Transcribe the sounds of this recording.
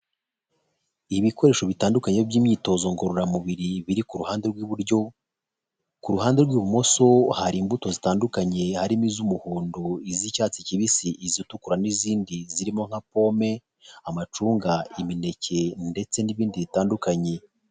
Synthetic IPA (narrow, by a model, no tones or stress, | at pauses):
iβiko̞ɾe̞ːʃo̞βitaːndukaɲebjiːmɲiːto̞zo̞ŋɡo̞ɾoɾamuβiɾiβiɾikuɾuhaːnde̞ɾɡwiβuɾɟo̞ | kuɾuhaːndeɾɡwuβumo̞so̞haɾiːmbuto̞zitaːndukaɲe̞haɾimizumuhoːndoizicaːt͡siciβisiʔizitukuɾaniziːndiziɾimo̞ŋ̥hapo̞me | amat͡ʃuːŋɡaimine̞ce̞nde̞t͡se̞niβiːndiβitaːndukaɲe̞